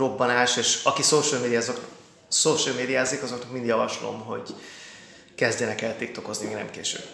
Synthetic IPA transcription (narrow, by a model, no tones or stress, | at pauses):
ro̞bːɒnaːʃeːʃɒkisoːʃəlmeːd̪ijaːzok | soːʃəlmeːd̪ijaːzeːkɒzo̞knɒk̚mind̪jɒvɒʃlo̞̰mɦo̞̰ɟ | kɛzdɛnɛkɛlt̪ik̚t̪o̞ko̞znimeːɡnɛ̰mkḛːʃø̰b